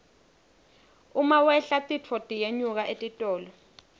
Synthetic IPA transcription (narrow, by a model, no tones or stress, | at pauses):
umawɛɬatʼit͡fʰɔtʼijeɲuk̬aʔetʼitʼɔːlɔ